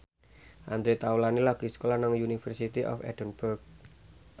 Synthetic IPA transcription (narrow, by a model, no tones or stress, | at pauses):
ʔa̰nd̪ɾet̪awlanilaɡ̥i̤skolanaŋjunifərsit̪iʔɔ̰fɛ̰d̥ənb̥ʊrk̚